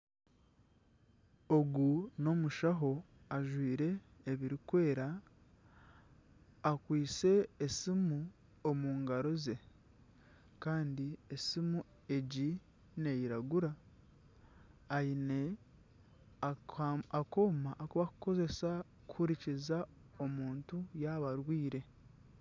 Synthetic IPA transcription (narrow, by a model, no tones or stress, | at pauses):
o̞ɡuno̞muʃaɦo̞ | aʒwiːɾe̞ː | βiɾikwe̞ːɾa | kwiːt͡se̞ːsimu | omuːŋɡaɾo̞ze | kaːndiesimu | e̞ɟi | ne̞jiɾaɡuɾa | jine | ako̞ːmaʔːkuβaku̥ko̞ze̞sa | kʰuɾiciza | o̞muːntujaβaɾwiːɾe̞